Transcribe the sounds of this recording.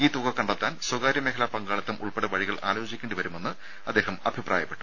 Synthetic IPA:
iːt̪uɣɐkːɐɳɖɐt̪ːaːnswɐɡaːɾjɐmeːɦɐlaːpɐŋɡaːɭɐt̪ːɐmʔṵɭpeɽɐʋɐɻiɣɐɭa̰ːloːd͡ʑikʲːeɳɖɨʋɐɾume̞nːɨ | ɐd̪ːe̞ːɦɐmɐbʱiprʔa̰ːjɐpːe̞ʈːu̥

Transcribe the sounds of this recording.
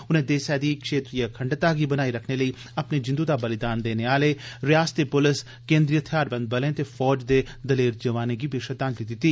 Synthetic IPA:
ʊnẽːd̪eːsɛːd̪iːkʃeːt̪ɾijəkʰəɳɖt̪aːɡiːbənaːiɾəkʰneləiː | ɐpned͡ʒɪ̃nd̪uːd̪aːbəlɪd̪aːnd̪eːneːaːleːɾɪjaːst̪epʊlɪs | kẽːnd̪ɾijət̪ʰjaːɾbə̃nd̪̚bəlẽːt̪eːfʰɔːd͡ʒd̪eː | d̪əleːɾd͡ʒəʋaːneɡiːbeːʃəd̪aːnlid̪ɪt̪ːiː

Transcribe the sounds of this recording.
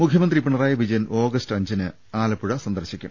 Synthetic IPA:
mukʰjɐmɐnd̪ripːiɳɐraːjɐʋid͡ʑɐjɐno̞ːɡɐstɐɲd͡ʑinɨ | aːlɐpːuɻɐsɐnd̪ɐrɕikʲːṵɳɐ

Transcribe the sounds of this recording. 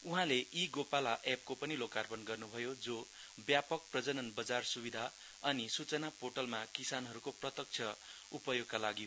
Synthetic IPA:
uɦãleʔiɡopalaʔep̚kopʌnilokarpʌnɡʌrnubʱʌjod͡zo | bjapʌk̚prʌd͡zʌnʌnbʌd͡zarsubid̪ʱa | ʌnisut͡sʌnapoʈʌlmakisanɦʌɾukoprʌt̪ʌk̚t͡sʰjʌ | upʌjoɡ̚kalaɡi

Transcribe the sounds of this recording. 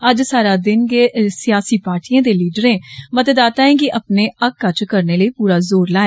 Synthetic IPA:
əd͡ʒsaːɾaːd̪ɪnɡeːsɪjaːsiːpaːɾʈijãːd̪eːliːɖəɾẽːmət̪ed̪aːt̪aːẽːkɪʔəpneːəkːət͡ʃkəɾneːləiːpuːɾaːzoːɾlaːɛ

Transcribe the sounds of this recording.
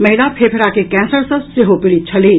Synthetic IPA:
mɐɦɪlapʰepʰɪɾaːkekɛ̃ːnsəɾsəseɦopɪɽit͡ʃʰɐleː

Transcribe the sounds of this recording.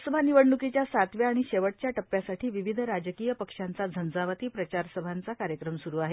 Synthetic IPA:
səbʱaniʋəɽɳukit͡ɕjasat̪ʋjaːɽ̃iɕeʋəʈ̚t͡ɕjaʈəpːjasaʈʰiːʋiʋid̪ʱɾad͡ʑəkijəpəkʂant͡sad͡zʱənd͡zaʋət̪iːpɾət͡ɕaɾsəbʱant͡sakaɾjəkɾəmsuɾuːaɦe

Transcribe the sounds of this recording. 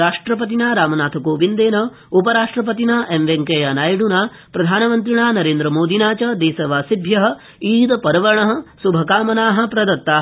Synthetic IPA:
ɾaːʂʈɾɐpɐt̪̬inaːɾaːmɐnaːt̪ʰɐkoːʋind̪eːnɐ | upɐɾaːʂʈɾɐp̬ɐt̪̬inaːʔemʋeŋkejanaːjɽunaː | pɾɐd̪ʱaːnɐmɐnt̪ɾiɳaːnɐɾeːnd̪ɾɐmoːd̪ʱinaːt͡ʃɐd̪eːsɐʋaːsib̪ʱjɐɦɐ̆ | iːd̪ɐpɐɾɐʋɐɳɐɦɐ̆subʱɐkaːmɐnaːɦɐ̆pɾɐd̪ɐt̪ːaː

